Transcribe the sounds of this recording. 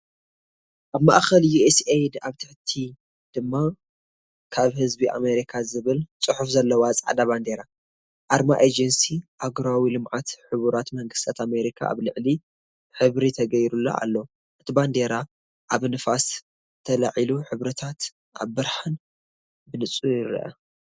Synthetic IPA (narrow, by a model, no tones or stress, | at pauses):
ʔaβma̰ʔxɐljuesejd̪aβt̪ʰɨħt̪ʰi | d̪̥ɨmːa | kʰaβhɨzbiʔa̰me̞ɾikʰazɨβɨlt͡sʼɨħufzɐlːɐwat͡sʼaʕa̰d̪aβand̪eɾa | ʔaɾmaʔed͡ʒɐnsiʔaɡɾawilɨmʕat̪ħɨβuɾat̪mɐŋɡɨst̪ʰat̪ame̞ɾikʰa̰a̰βlɨʕli | ħɨβɾit̪ʰɐɡɐjɾulːa̰ʔa̰lːo | ʔɨt̪ʰiband̪e̞ɾa | ʔaβnɨfas | t̪ʰɐla̰ʕiluħɨβɾɐt̪ʰat̪ | ʔa̰βːɨɾħan | bɨnɨt͡sʼujɪɾ̰ʔɐ̰